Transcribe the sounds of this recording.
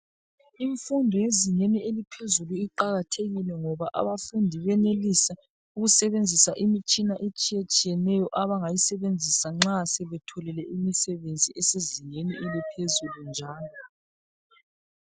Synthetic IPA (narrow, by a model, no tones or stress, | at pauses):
iɱfundʱɔjeziŋenielipʰezuluiǃaɣatʰeɣilɛŋɔβaʔa̰βafundʱiβɛnelisa | uɣusɛβend͡zʱisaʔimit͡ʃʼinaʔet͡ʃʼijet͡ʃʼijɛnɛjɔʔaβaŋajisɛβend͡zʱisaŋ͡ǁasɛβɛtʰɔlɛlɛʔimisɛβend͡zʱiɛseziɲeniʔelipʰezulund͡ʒʱaːlɔ